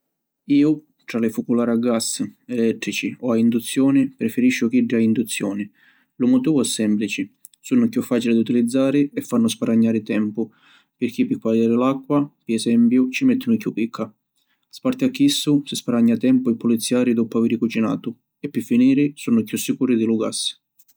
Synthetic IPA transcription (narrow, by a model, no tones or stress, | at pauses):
iːʊ | t̪ɾalɪfukulaːɾaɡasɛlɛt̪ːɾit͡ʃiɔaind̪ut̪sːjɔːnɪpɾɛfɪɾiʃːʊk̟iɖːiaind̪ut̪sːjɔːnɪ | lʊmʊt̪iːvʊɛsːɛmplit͡ʃɪ | sunːʊkjufːaːt͡ʃilɪd̪ut̪ilid̪zːaːɾɪɛfːanːʊspaɾaɲːaːɾɪt̪ɛmpʊ | pɪɾk̟ipːɪkwalaːɾɪlakːwapiɛsɛmpjʊt͡ʃimɛt̪ʰːʊnʊkjupːikʰːa | spaɾt̪ɪakːisːʊsɪspaɾaɲːat̪ɛmpʊipʊlit̪sːjaːɾid̪ɔpʊaviːɾɪkut͡ʃina̰ːt̪ʊ | ɛpːɪfːiniːɾɪsunːʊkjusːikuːɾɪd̪iluɡa̰sː